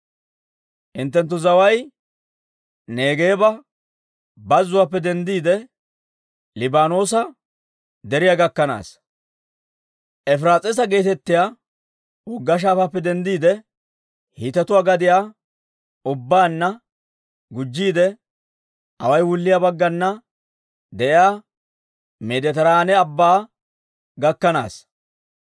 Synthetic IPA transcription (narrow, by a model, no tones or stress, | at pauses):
ʔɪnt̪ːɛnt̪̬ːʊzɐwɐj | ne̞ːɡeːbɐ | bɐzːʊwapːɛd̪ɛnd̪iːd̪ɛ | lɪbaːno̞ːsɐ | d̪ɛɾɪjaɡɐkːɐna̰ːs | ʔɛfɾaːt͡sʼɛs̬ɐɡe̞ːt̪ɛt̪ːɪjaː | wʊɡːɐʃ̬aːfɐpːɛd̪ɛnd̪iːd̪ɛ | hit̪ɛt̪ʊwaːɡɐd̪ɪjaː | ʊbːaːnːɐ | ɡʊd͡ʒːiːd̪ɛ | hɐwɐjwʊlːɪjabɐɡːɐnːɐ | d̪ɛʔɪjaː | med̪ɛt̪ɐɾaːnɛɐbːaː | ɡɐkːɐna̰ːs